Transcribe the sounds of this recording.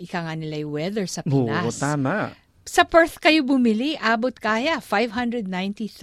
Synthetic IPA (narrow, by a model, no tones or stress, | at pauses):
ʔɪkaŋanɪlajwɛðɛɹsɐpɪnaost̪aːma | sɐpɛɹθkɐjobʊmɪliʔaːbot̪̚kaːjafajvɦɐ̃nd̪ɹɛd̪̚najnt̪iθ